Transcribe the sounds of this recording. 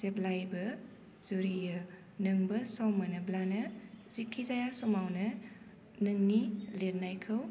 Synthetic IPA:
zeblajbɐ | z̥uɾijɐ | nɐŋbɐsɔmːɐnɐblanɐz̥ikʰːizajasɔmawnɐ | nɯŋnileɾnajkʰɯw

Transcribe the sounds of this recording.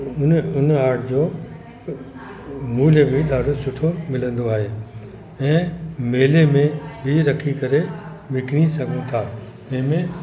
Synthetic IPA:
ʊnʊnaːɾʈʰd͡ʑoː | muːlebɪɗaɾɖʊsʊʈʰomɪlə̃nd̪oaːɦeː | ɛ̃ːmeːlemẽbʱɪɾɐkʰikɐɾe | ʋɪkɽisɐɡʱũt̪ʰaː | d͡ʑɪ̃ɦmẽ

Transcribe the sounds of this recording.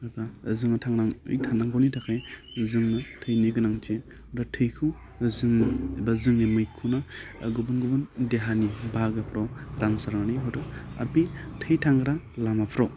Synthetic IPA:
ɯbazɯŋatʰaŋɾaŋɯ̰jtʰanaŋɡɔwnitʰakʰaj | zɯŋnatʰɯjniɡɯnaŋt͡ʃe | datʰɯjkʰu | zɯŋbazɯŋnimɯjkʰuna̰ːɡubɯnɡubɯndeɦanibaɡɯpʰɾawɾaŋsaɾmaniɦɔɾɯa̰bitʰɯjtʰaŋɡɾalamapʰɾaw

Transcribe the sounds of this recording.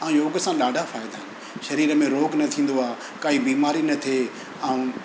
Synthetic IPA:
ãũjoːɡəsãːɗaːɖʱafaːɪd̪aɦɪnɪ | ʃɐɾiːɾəmẽɾoːknɐt̪ʰĩːnd̪oaː | kaːɦibiːmaːɾinɐt̪ʰeː | ãːũː

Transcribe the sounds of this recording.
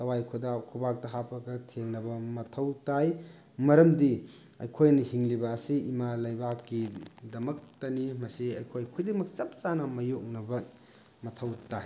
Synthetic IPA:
tɐwajkʰodakʰubak̚dɐɦapʰɐkɐtʰeŋnɐbɐmɐtʰɐwtaj | mɐɾɐmdi | ɐ̰jkʰojnɐhiŋlibɐːsiːmalɐjbakːidɐmɐk̚tɐnimɐsiɐjkʰojkʰujdeŋmɐk̚t͡ʃɐp̚t͡ʃanɐmɐjok̚nɐbɐ | mɐtʰɐwtaj

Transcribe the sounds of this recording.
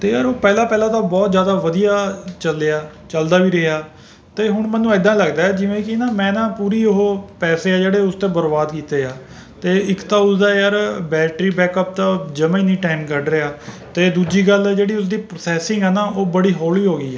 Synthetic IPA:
t̪eːjaːɾoːpɛːlãːpɛːlãːt̪ãːbɔːt̪zjaːd̪aːʋəd̪ijaːt͡ʃəlːeaː | t͡ʃəld̪aːʋiːɾəaː | t̪eːɦʊɳmɛ̃ːnːũːɪd̪ãːləɡd̪aːɛːd͡ʒɪʋẽːkɪnaːmɛ̃ːnãːpuːɾiːoɦoːpɛːseːaːd͡ʒeːɽeːʊst̪eːbəɾbaːd̪kiːt̪eːjaː | t̪eːɪkt̪ãːʊsd̪aːjaɾbɛːlʈɾiːbɛːkəp̚t̪ãːd͡ʒəmẽːnĩːʈaːɪmkəɖɾeaː | t̪eːd̪uːd͡ʒiːɡəlɛd͡ʒeːɽiːʊsd̪iːpɾoːsɛːsɪ̃ŋɡɦɛːnaːʔoːbəɽiːɦoːliːɦoːɡəiːɛː

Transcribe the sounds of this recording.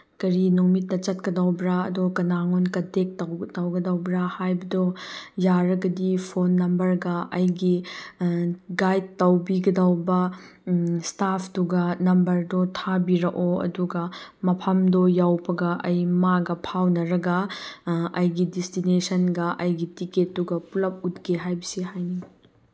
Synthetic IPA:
kɐɾinuŋmitːɐt͡ʃɐt̚kɐdɐwbɾaɐdokɐnaŋonkɐdek̚tɐwtɐwɡɐdɐwbɾahajbɐdojaɾɐɡɐdipʰonːɐmbɐɾɡɐɐjɡi | ɡajd̚tɐwbiɡɐdɐwbɐ | stapʰtuɡɐnɐmbɐɾdotʰabiɾɐʔoɐ̰duɡɐmɐpʰɐmdɔjawbɐɡɐʔɐjmaɡɐpʰawnɐɾɐɡɐ | ɐjɡidistinesɐnɡɐʔɐjɡitiket̚ːuɡɐpulɐp̚ut̚ɡeɦajbɐsihajni

